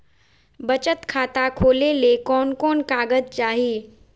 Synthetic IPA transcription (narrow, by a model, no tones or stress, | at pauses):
bɐt͡ʃət̪kʰaːt̪akʰoːlelekɔːnkɔːnkaːɡəd̪̚t͡ʃaːɦiː